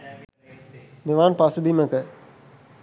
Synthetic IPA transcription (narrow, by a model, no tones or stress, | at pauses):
meʋaːnpasubiməkə